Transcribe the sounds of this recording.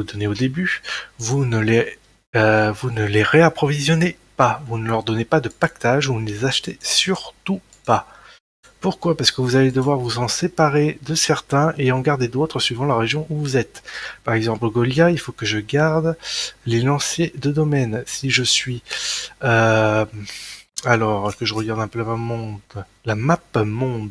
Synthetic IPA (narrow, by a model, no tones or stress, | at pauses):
ud̪ɔneod̪ebyvunəle | vunəleʁeapχɔvizjɔne | pavunəlœʁd̪ɔnepad̪əpak̚t̪aʒuvunəlezaʃt̪esyʁt̪u | pa | puʁkwapaʁsə̥kəvuzaled̪əvwaʁvuzɑ̃sepaʁed̪əsɛʁt̪ɛ̃ʔeɑ̃ɡaʁd̪ed̪ot̪χəsɥivɑ̃laʁeʒjɔ̃ʔuvuzɛt̪paʁɛɡzɑ̃pləɡɔljailfokəʒəɡaʁd̪lelɑ̃sjed̪əd̪ɔmɛnsiʒəsɥi | ø | alɔʁkəʒəʁəɡaʁd̪ɛ̃pølamamɔ̃d̪ | lamapmɔ̃d̪